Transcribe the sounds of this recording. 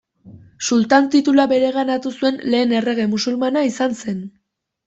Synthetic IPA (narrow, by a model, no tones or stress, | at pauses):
sult̪ant̪it̪ulabe̞ɾe̞ɣanat̪usue̞nle̞ːne̞re̞ɣe̞musulmanaisanse̞n